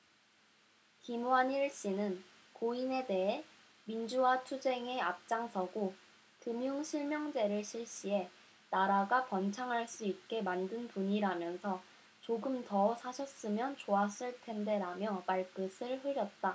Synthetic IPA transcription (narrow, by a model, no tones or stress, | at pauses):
kimwaniɭɕ͈inɯn | koine̞de̞ɦe | mind͡ʑuwat͡ɕʰud͡ʑe̞ŋe̞ap̚t͡ɕ͈aŋsʰʌɡo | kɯmjuŋɕʰiɭmjʌŋd͡ʑe̞ɾɯɭɕʰiɭɕ͈ie̞ | naɾaɡapʌnt͡ɕʰaŋɦaɭs͈uit̚k͈e̞mandɯnpuɲiɾamjʌnsʰʌ | t͡ɕoɡɯmtʌsʰaɕʰʌs͈ɯmjʌnt͡ɕoas͈ɯɭtʰe̞nde̞ɾamjʌpaɭk͈ɯsʰɯɭɸɯɾjʌt̚t͈a